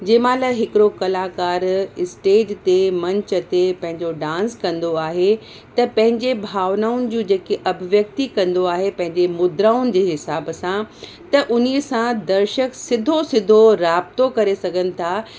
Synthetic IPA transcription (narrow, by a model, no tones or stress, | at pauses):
d͡ʑeːmãːlɐɦɪkɪɾokɐlaːkaːɾɪsʈeːd͡ʑt̪emɐ̃ɲt͡ɕə̆t̪epɐ̃ɦɪ̃ɲd͡ʑoɖãːnskɐ̃nd̪oaːɦe | t̪ɐpɐ̃ɦɪ̃ɲd͡ʑebʱaːʋnaːʊnɪ̆d͡ʑũːd͡ʑeːkeʔɐbʱʋjɐk̚t̪ikɐ̃nd̪oaːɦepɐ̃ɦɪ̃ɲd͡ʑemʊd̪ɾaːʊnɪ̆d͡ʑeːɦɪsaːbsã | t̪ɐʔʊniəsãd̪ɐɾʃəksɪd̪ʱosɪd̪ʱoɾaːbt̪okɐɾesɐɡʱənɪ̆t̪ʰa